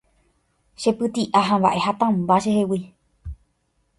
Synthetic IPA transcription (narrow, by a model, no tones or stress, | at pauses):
ʃepɨt̪iʔaɦãmβba̰ʔe̞hat̪ãmbaʃehewi